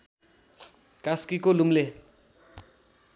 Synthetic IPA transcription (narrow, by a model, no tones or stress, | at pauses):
kaskikolumle